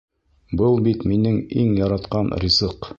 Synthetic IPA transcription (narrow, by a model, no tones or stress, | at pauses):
bɤlˠbit̪minɘŋiŋjɑɾɑt̪qɑnrʲizɤq